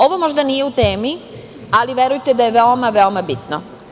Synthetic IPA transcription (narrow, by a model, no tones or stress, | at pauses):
o̞ʋo̞mo̞ʒd̪anije̞ut̪eːmi | aliʋeɾujt̪ed̪ajeʋeomaʋeomabit̪no̰